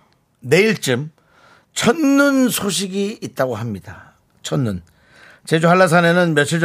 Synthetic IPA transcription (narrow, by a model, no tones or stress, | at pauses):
ne̞iɭt͡ɕ͈ɯm | t͡ɕʰʌnːunsʰoɕ̬ʰiɡiːt̚t͈aɡoɦamɲida | t͡ɕʰʌnːun | t͡ɕe̞d͡ʑuɦaɭːas̬ʰane̞nɯnmjʌt͡ɕʰid͡ʑ